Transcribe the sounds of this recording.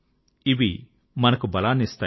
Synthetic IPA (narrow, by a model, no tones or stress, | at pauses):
iʋi | mɐnɐkubɐlaːnist̪aː